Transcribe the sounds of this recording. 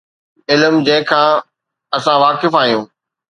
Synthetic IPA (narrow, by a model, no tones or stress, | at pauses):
ɪlmd͡ʑẽːkʰãː | ɐsãʋaːkɪfaːɦjũː